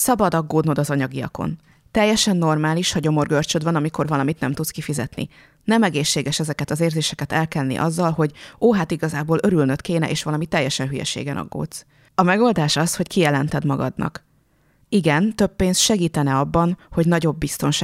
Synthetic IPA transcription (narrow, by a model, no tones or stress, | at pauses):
sɒbɒd̪ɒɡːoːd̪no̞d̪ɒzɒɲɒɡijɒ̰ko̞̰n | t̪ɛjːɛʃɛnːo̞rmaːliʃhɒɟo̞mo̞rɡørt͡ʃød̪vɒnɒmiko̞rvɒlɒmit̪nɛmt̪ut̪skifizɛ̰t̪nḭ | nɛmɛɡeːʃːeːɡɛʃɛzɛkɛt̪ɒzeːrzeːʃɛkɛt̪ɛlkɛlnḭʔɒzːɒlɦo̞ɟoːɦat̪iɡɒzaːboːlø̞ɾylnøt̪keːnɛ̰ʔeːʃʋɒlɒmit̪ɛjːɛʃɛnɦyjɛ̰ʃḛːɡɛnɒ̰ɡːo̰ːt̪s | ɒmɛɡo̞ld̪aːʃɒsho̞ckijɛlɛnt̪ɛd̪mɒɡɒ̰d̪nɒ̰k | iɡɛnt̪øpːeːnsʃɛɡiːt̪ɛnɛɒbːɒnho̞ɟnɒɟo̞bːist̪o̞nʃa